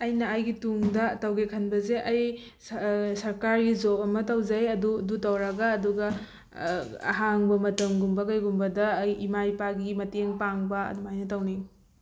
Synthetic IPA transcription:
ɐjnɐːjɡituŋdɐtɐwɡekʰɐnbɐzeʔɐj | sɐɾkaɾɡizopɐmɐtɐwd͡ʒajɐdudutɐwɾɐɡɐːduɡɐ | ɐ̰ɦaŋbɐmɐtɐmɡumbɐkɐjɡumbɐdɐjːmajpaɡimɐteŋpaŋbɐɐ̰dumajnɐtɐwniŋ

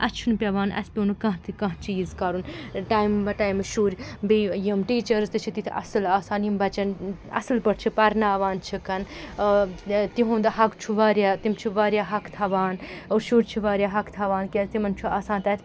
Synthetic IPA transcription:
ʔɐt͡ʃʰunpʲɐʋaːnɐ̰spʲenukɐ̃ɦt̪ʰikɐ̃ɦt͡ʃiːzkɐɾunʈaːjmbɐʈaːjmɐʃuːɾʲbijimʈiːt͡ʃɐɾst̪ɨt͡ʃʰit̪it̪ʰiɐ̰sɨlaːsaːnimbɐt͡ʃɐnɐ̰sɨlpɐʈt͡ʃʰipɐɾnaːʋaːnt͡ʃʰikɐn | t̪iɦũːnd̪ɐɦɐkt͡ʃʰuʋaːɾjaːt̪imt͡ʃʰiʋaːɾʲjaːɦɐkt̪ʰɐʋaːnoːɾʃuːɾʲt͡ʃʰiʋaːɾʲjaːɦɐkʰt̪ʰɐʋaːnkʲezt̪imɐnt͡ʃʰuaːsaːnt̪ɐt̪ʰʲ

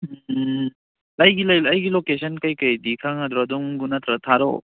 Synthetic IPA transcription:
ɐjɡilɐjɐjɡilokesʰɐnkɐjkɐjdikʰaŋad̪ɾɔɐduŋɡunɐt̪ɾɐtʰaɾɔ̰

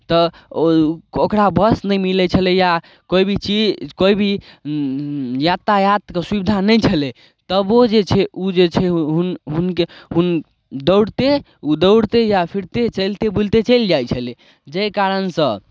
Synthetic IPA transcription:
t̪ə | okɾabəsnəjmilɛt͡ʃʰəlɛja | koibʱit͡ʃikojbʱi | jat̪ːajat̪kesubid̪ʱanəjt͡ʃʰəlɛ | t̪əbod͡ʒet͡ʃʰɛud͡ʒet͡ʃʰɛɦunɦunkeɦun | d̪əwɽt̪e | ud̪əwɽt̪ejapʰiɾt̪et͡ʃəjlt̪ebult̪et͡ʃəjld͡ʒajt͡ʃʰəlɛ | d͡ʒəjkaɾənsə̃

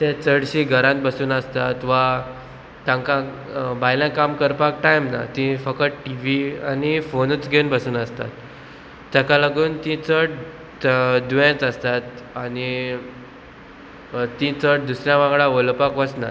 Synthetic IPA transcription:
t̪ɛ̃t͡səɽɕĩɡʱəɾãt̪̚bəsuːnəst̪at̪ʋa | t̪jãŋkã | bʱajlãkamkəɾpak̚ʈajmna̰t̪ĩfəkəʈiʋianifonət͡sɡʱenbəsuːnəst̪a̰t̪ː | jãkaləɡuːnt̪ĩt͡səʈ | d̪ujãt͡səst̪at̪ani | t̪ĩt͡səʈ̚d̪usɾjãʋãŋɡɭãʋolpakʋət͡sna̰

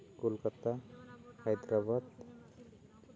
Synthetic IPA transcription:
kolkat̪ahajd̪ɾabad̪

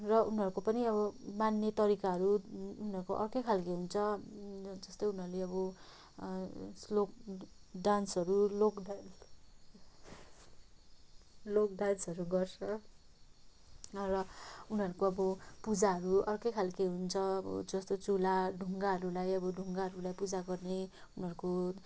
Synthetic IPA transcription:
rʌunʌɾukopʌniʌbʌmanːjʌt̪ʌɾikaɦʌɾuunɦʌɾukoʔʌrkejkʰalkeɦunt͡sʰʌ | d͡zʌst̪ojun̤ʌɾuleʌbʌ | slok̚ɖansɦʌɾulokdan | lokdansʌɾuɡʌrsʌ | rʌunɦʌɾukoʌbʌpud͡zaɦʌɾuʌrkʌjkʰalkeɦunt͡sʰʌʌbʌ̰d͡zʌst̪ot͡sulaɖʱuŋɡaɦʌɾulajʌbʌɖʱuŋɡaɦʌɾulajpud͡zaɡʌrneunɦʌɾuko

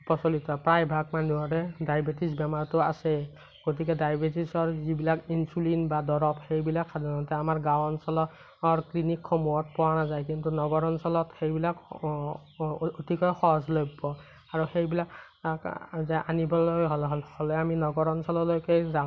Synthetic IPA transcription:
pɔsolitɔpɹajbʱak̚manuɔɹɛdajbetisbɛmaɹtʊasɛ | ɡ̥ot̬ikɛdajbetisɔɹzibilakinsulinbadɔɹɔpxejbilakʰːadanɔtɛamaɹɡãwɔnsɔlɔ | ɔɹklinikʰːɔmuɔt̚pɔwanazajk̬intunɔɡɔɹɔnsɔlɔtxejbilak | otikɔjxɔɦɔzlojbbɔ | aɹɔxejbilak | zɛʔanibɔlɔɦɔlɦɔlhɔlɛaminɔɡɔɹɔnsɔlɔlojkɛza

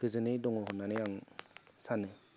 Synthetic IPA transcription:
ɡ̥ɯzɯnɯdɔŋɔɦɔnanɯjaŋsanɯ

